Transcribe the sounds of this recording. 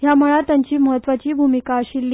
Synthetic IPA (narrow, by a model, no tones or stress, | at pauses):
ɦjaməɭat̪jaɲt͡ɕiːməɦət̪ʋat͡ɕiːbʱumikaəɕilːiː